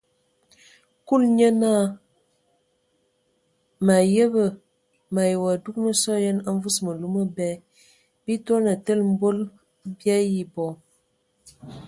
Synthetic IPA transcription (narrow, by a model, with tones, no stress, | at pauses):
ku˦lɲə˦na˦˨ | ma˨jə˦bə˨ | ma˨jə˨wa˨du˦k̚nə˦sɔ˦jə˦na˦ɱ˦vu˦smə˨lu˦mə˦bɛ˦ | b̥i˦ta˦na˨tə˦lm̩˦bo˦l | bja˦ji˦bɔ˨